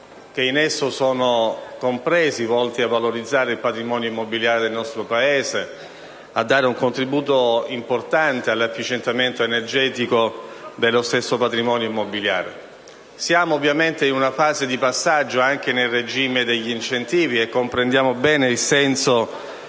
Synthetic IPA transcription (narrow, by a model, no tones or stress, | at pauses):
k̟einesːosɔːnokompɾɛːzivɔlt̪iavːaloɾid̪zːaːɾeilpat̪ɾimɔːnjoimːobiljaːɾed̪elnɔst̪ɾopaeːze | ad̪ːaːɾeuŋkont̪ɾibuːt̪oimport̪ant̪ealːafːit͡ʃent̪ament̪oenerd͡ʒɛːt̪ikod̪elːost̪esːopat̪ɾimɔːnjoimːobilja̰ːɾe | sjaːmoːvːjament̪einunafaːzed̪ipasːad͡ʒːoaŋk̟enelred͡ʒiːmed̪eʎːiint͡ʃent̪iːviekːompɾend̪jaːmobɛːneilsɛnso